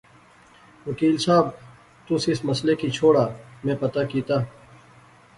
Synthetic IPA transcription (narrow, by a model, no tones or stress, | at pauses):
ʋɐkiːlsaːb̚ | t̪ʊsɪsmɐslekit͡ʃʰoːɽaːmẽpɐt̪akiːt̪aː